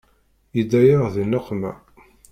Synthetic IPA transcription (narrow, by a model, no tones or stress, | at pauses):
jid̪æjaʁðinæqːmæ̰